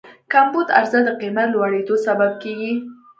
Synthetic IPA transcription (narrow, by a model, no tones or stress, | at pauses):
kambud̪a̰ɾzad̪əqimat̪lwaɽed̪osabab̚keɡi